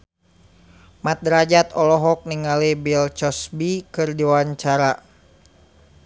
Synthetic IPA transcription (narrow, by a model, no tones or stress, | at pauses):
mat̪̚ɾad͡ʒat̪ɔlɔɦɔk̚niŋalibilt͡ʃɔsbikɨrdiwaɲt͡ʃaɾa